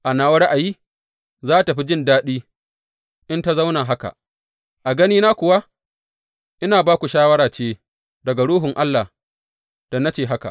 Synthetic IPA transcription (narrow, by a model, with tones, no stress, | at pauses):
ʔa˨naː˨wɐ˦ɾa˦ʔa˨jiː˦ | zaː˦˨ta˨ɸi˦d͡ʒɪ˦ndaː˦ɗiː˦ | ʔɪ˦nta˦za˦wnaː˨ɦa˦ka̰˨ | ʔa˨ɡɐ˦niː˦naː˦kʷʊ˨wa˦ | ʔɪ˦naː˨baː˦kʷu˨ʃaː˦wɐ˦ɾaː˨t͡ʃeː˦ | dɐ˨ɡa˨ɽuː˦ɦʊ˨ŋʔa˦lːaː˨ | d̥ɐ˨na˦t͡ʃeː˨ɦa˦ka̰˨ʔ